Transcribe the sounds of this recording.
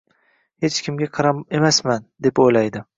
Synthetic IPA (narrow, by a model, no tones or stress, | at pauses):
he̞t͡ʃkʲʰɪmʲaqʰɑɾaemasmand̪e̞pojlajd̪ɪ